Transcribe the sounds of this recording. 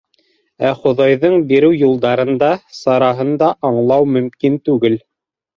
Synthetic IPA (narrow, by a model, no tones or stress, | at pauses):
æχŏðɑjðɤɴbiɾɘwjulˠd̪ɑɾɤ̆nd̪ɑsɑɾɑɦɤ̆nd̪ɑʔɑɴlˠɑwmɵ̆mkint̪ʉɡɘl